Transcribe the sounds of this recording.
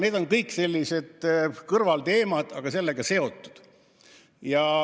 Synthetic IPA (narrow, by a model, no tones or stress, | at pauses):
ne̞ːd̪o̞nkɤjkse̞lʲːise̞d̪̥kɤrvɑlt̪e̞ːmɑd̪̥ɑɡ̥ɑse̞lːeɡ̥ɑse̞o̞t̪ːˑu̥d̪̥ | jɑ